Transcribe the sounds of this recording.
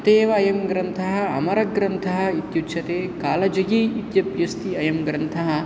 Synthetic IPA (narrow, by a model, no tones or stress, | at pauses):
t̪eːʋɐːjɐmɡɾɐnt̪ʰɐɦɐ̆ɐmɐɾɐɡɾɐnt̪ʰɐɦɐ̆it̪jutːʃʰɐt̪eːkaːlɐd͡ʒɐɡiit̪jɐpjɐst̪iɐjɐmɡɾɐnt̪ʰɐɦɐ̆